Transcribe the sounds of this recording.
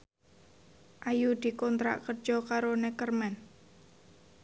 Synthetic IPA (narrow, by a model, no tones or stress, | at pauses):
ʔajud̪̥i̤kɔnt̪ɾa̰ʔkər̥d͡ʒ̥ɔkaɾonekərmɛn